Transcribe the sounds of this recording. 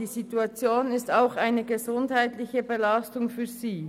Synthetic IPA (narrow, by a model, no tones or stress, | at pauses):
iːzituat͡sjoːnɪstaʊxaɪnəɡəzʊndhaɪtlɪçəbəlastʊŋfyːɐziː